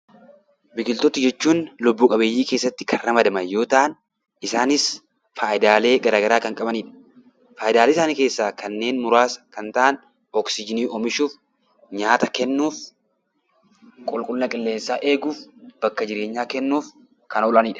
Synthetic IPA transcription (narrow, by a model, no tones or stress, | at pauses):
bɪkɪlt̪ɔt̪ɪd͡ʒɛt͡ʃːuːnlʊbːuːkʼɐbe̞ːjːiːke̞ːsːɐt̪ːɪ̥kʰɐrrːɐmɐd̪ɐmɐnjo̞ːt̪ɐʔɐn | ɪsaːnɪs | faːʔɪd̪aːle̞ːɡɐɾaːɡɐɾaːkɐŋkʼɐbɐniːᶑɐ̥ | faːjɪd̪aːlesaːnike̞ːsːaːkɐnːe̞ːnmʊɾaːskɐnt̪ɐʔɐn | ɔksɪd͡ʒɪniːɔmɪʃuːf | ɲaːt̪ɐkɛnːuːf | kʼʊlkʼʊlnɐkʼɪlːe̞ːnsːaːʔe̞ːɡuːfb̥ɐkːɐd͡ʒɪɾe̞ːɲːaːkɛnːuːf | kɐnɔlɐniːᶑɐ̥